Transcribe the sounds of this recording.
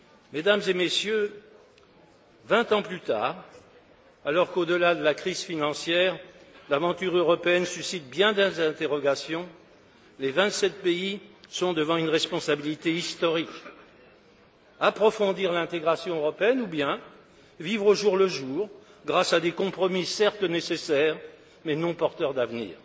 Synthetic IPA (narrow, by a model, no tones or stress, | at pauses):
med̪amzemesjø | vɛ̃t̪ɑ̃plyt̪a̰ːʁ | alɔʁkod̪əlad̪əlakχizfinɑ̃sjɛʁlavɑ̃t̪yʁøʁɔpeɛnsysit̪̚bjɛ̃d̪ɛ̃zɛ̃t̪eʁɔɡasjɔ̃ | levɛ̃t̪sɛt̪̚peisɔ̃d̪əvɑ̃ynʁɛspɔ̃sabilit̪eist̪ɔʁik | apχɔfɔ̃d̪iʁlɛ̃t̪eɡʁasjɔ̃øʁɔpeɛnubjɛ̃ | vivʁoʒuʁləʒuːʁɡʁasad̪ekɔ̃pχɔmisɛʁt̪ənesesɛʁ | mɛnɔ̃pɔʁt̪œʁd̪avnḭːʁ